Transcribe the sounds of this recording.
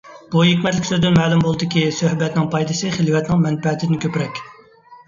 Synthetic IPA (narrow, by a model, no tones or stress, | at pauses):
b̥uɦekʲmɛt̪lɪkʲsøzd̪ynmɛːlˠumbolˠɨd̪ɪkʲisøhbɛt̪nɪŋpʰɑjd̪ɨsɨχelwɛt̪nɪŋmɛnpɛt̪ʰɪd̪ɪnɪkʲʰøpɾɛkʲ